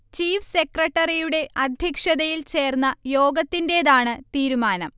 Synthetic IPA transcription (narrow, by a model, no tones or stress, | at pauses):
t͡ɕiːfsekrɐʈːɐrijuɽe̞ʔɐd̪ʱjɐkʂɐðɐjilt͡ɕe̞ːrnːɐjo̞ːɡɐt̪ːinde̞ːðaːɳɨt̪iːɾumaːnɐm